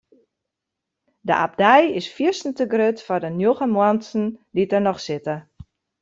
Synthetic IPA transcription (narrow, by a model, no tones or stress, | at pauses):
dəʔa̰p̚dɛjɪsfisn̩təɡrøtfɔdənjoɣəmwɔnsn̩ditərnɔxsɪtə